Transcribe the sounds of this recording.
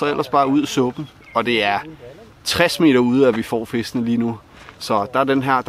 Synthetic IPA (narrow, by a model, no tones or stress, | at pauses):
ɒel̰ʔɐsb̥ɑ̈ːuð̞̰ˠsɔb̥n̩ | ɒ̽d̥e̝æɐ | t͡sʰʁasme̝̰ːɾ̥ɐuːð̞̰ˠæʋifɒ̰ːfesd̥nəliːnu | sɒ̽d̥ɑ̈æd̥enɦæɐ̰d̥